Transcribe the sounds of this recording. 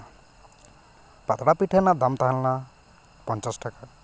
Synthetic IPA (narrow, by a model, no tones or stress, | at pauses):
pat̪ɽapiʈʰanad̪amt̪aɦanla | pɔnt͡ʃɔsʈɔka